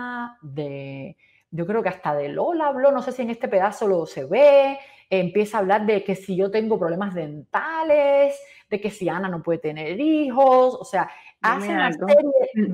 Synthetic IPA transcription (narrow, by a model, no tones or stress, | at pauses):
d̪e | ɟ͡ʝo̞kɾeo̞keast̪aðe̞lʔo̞laːβlono̞se̞sie̞ŋe̞st̪e̞pe̞ðaso̞lose̞βe | empje̞saːβlaɾðe̞ke̞siʝo̞t̪e̞ŋɡo̞pɾo̞βle̞mazðẽ̞nt̪ales | d̪e̞ke̞sianano̞pwe̞ðet̪ene̞ɾiɦo̞sose̞aaseaeɾje